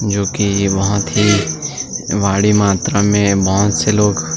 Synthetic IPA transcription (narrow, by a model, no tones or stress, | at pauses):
d͡ʒoːkibɐɦʊt̪ɦi | ʋaːɽimaːt̪ɾamẽbɐɦʊt̪seloːɡ